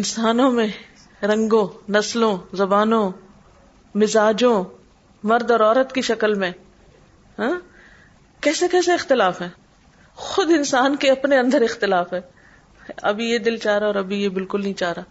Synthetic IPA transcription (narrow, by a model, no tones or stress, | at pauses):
ɪnsaːnõmẽ | ɾɐ̃ŋɡõnɐslõzɐbaːnõ | mɪzaːd͡ʒõ | mɐɾd̪ɔːɾɔːɾət̪kiʃɐkəlmẽ | ɦɛ̃ː | kɛːsekɛːseɪxt̪ɪlaːfɦɛː | xʊd̪ɪnsaːnkeɐpneɐ̃nd̪əɾɪxt̪ɪlaːfɦɛː | ɐ̰bʱijed̪ɪlt͡ʃaːɾaɔːɾɐbʱijebɪlkʊlnɐɦĩt͡ʃaːɾaː